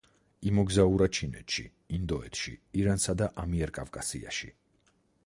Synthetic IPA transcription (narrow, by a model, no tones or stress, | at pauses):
imɔɡzauɾat͡ʃʰinɛ̰t̪ʃḭ | ind̪ɔɛt̪ʃḭiɾansad̪aʔamiɛɾkʼavkʼasḭa̰ʃḭ